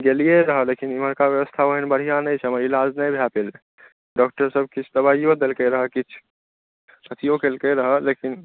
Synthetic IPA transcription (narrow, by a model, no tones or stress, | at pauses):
ɡelijeɾəɦəlekiniməɾkaʋjəwəst̪ʰaoɦinbəɽ̤ijanəjt͡ʃʰɛməɾilad͡ʒnəjbʱjapel | ɖɔk̚ʈəɾsəb̚kit͡ʃʰd̪əbaijod̪elkeɾəɦəkit͡ʃʰ | ət̪ʰijokelkeɾəɦəlekin